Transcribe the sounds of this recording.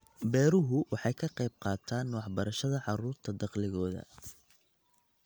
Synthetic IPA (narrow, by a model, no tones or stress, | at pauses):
bɛːɾʊɦʊwʔɑħɑjkʰɐqɑjb̚qɑːt̪ʰaːnːʊːħbɐɾɐʃɐðɐʕɑɾuːrt̪ʰɐd̪ɑqlɪɣɔːðɐ̰